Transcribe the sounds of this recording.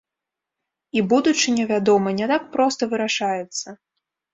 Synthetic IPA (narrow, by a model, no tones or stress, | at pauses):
ibud̪ut͡ʂɨnʲɛvʲad̪ɔmɐnʲɛt̪ak̚pɾɔst̪ɐvɨɾaʂajɛt̪sːɐ